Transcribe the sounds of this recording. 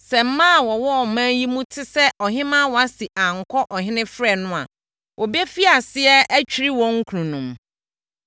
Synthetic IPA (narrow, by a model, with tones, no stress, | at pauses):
sɛ˨m̩˦mã˦˨wɔ˨wɔ˦ɔ˨mãː˦ji˦mũ˦tʰɪ˦sɛ˦ʔɔ˨ɦɪ̃˦mã˦wɔ˨a˦si˨ʔã˨ŋ̩˨kʰɔ˦ʔɔ˨ɦɪ̃˦nɪ̃˦fɾɛ˨nʊ̃˦a̰˨ | wʔɔ˨be˦fi˦a˨sɪ˦ɛ˦æ˦t͡ɕᶣi˦ɾi˦wɔ̃˦ŋ̩˦kʰu˨ɾũ˨nũ˨m